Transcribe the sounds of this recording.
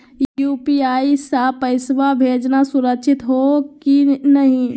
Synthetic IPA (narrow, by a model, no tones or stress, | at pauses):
jupiaːisapəɪsʋabʱed͡ʒnasuɾəkʃʰɪt̪ɦokinəɦĩ